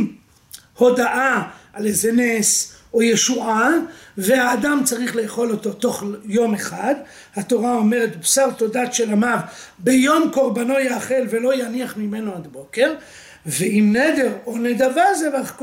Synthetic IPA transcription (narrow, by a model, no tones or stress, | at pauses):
ho̞daʔaalezenesojeʃuʔavehaːdamt͡saʁiχlejaχo̞lo̞t̪o̞t̪o̞χjo̞meχad̪ | hat̪o̞ʁao̞me̞ʁetbsaʁt̪o̞datʃelamavbejo̞mko̞ʁbano̞jaːχe̞lve̞lo̞janiaχmime̞noad̪bo̞ke̞ʁ | veimned̪e̞ʁo̞ned̪avazeʁaχk